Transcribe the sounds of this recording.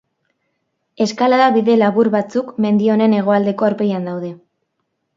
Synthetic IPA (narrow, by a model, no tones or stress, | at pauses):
e̞skalaðaβiðe̞laβuɾβat͡sukme̞nd̪io̞ne̞ne̞ɣ̞o̞ald̪e̞ko̞aɾpe̞jand̪awð̞e̞